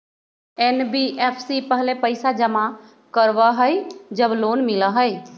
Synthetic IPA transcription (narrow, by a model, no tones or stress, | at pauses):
enbiʔepʰsipəɦlepəɪsad͡ʒəma | kəɾbaɦəjd͡ʒəbloːnmɪləɦəɪ